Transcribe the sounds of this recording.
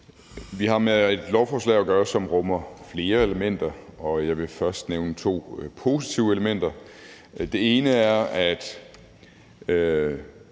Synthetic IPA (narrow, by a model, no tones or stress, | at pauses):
ʋiɦɑ̈mee̝d̥lɒʊfɒːslɛ̰ɪɒɡ̥ɶːɐsɒ̽mʁɔ̽mɐfle̝ːɐe̝ləmen̰d̥ɐɒ̽jɑ̈ɪʋe̝fɶɐsd̥neʊnət͡sʰo̝̰ːpʰo̝si̥t͡sʰiʊəeləmen̰d̥ɐ | d̥e̝e̝ːnəæɐæd̥